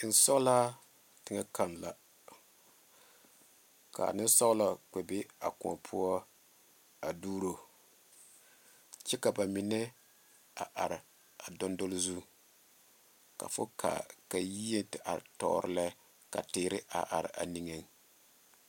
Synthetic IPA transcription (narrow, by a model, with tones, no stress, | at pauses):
n̩˨˦sɔ˦ɣla˦ | tɪ˦ŋa˦ka˦˨nla˨ | ka̰˨nɪ˦n˦sɔ˦ɣla˨k͡pɛ˨bɪ˦a̰˨kʊ̰˨ɔ̰˨pʰʊ˦ɔ˦ | a˨duː˦ɾo˨ | t͡ʃɛ˦ka˨ba˨mi˨nɛ˦ | a̰˨ʔa˨ɾɪ˨ | a˨dɔ˦ndo˦lzu˦ | ka̰˨fʊ˦kʰa̰˨ka˨ji˦jɛ˦ntɪ˨ʔa̰˨ɾtɔ̰˨ɾɪ˦lɛ˦ | ka̰˨tɪː˨˦ɾɪ˦ʔa̰˨ʔa˨ɾɪ̰˨ʔa̰˨ni˨ŋe˨ŋ